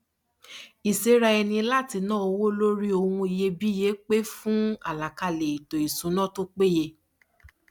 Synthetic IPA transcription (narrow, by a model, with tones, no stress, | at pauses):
i˨se˨˦ɾa˧ɛ˧nĩ˧la˦ti˧nãː˦o˧wo˦lo˦ɾi˦o˧hũ˧i˧je˧bi˦je˨˦k͡pe˦fũ˦a̰˦˨la˨ka˧le˨i˨to˨i˨sũ˨˦nã˦to˦k͡pe˦je˧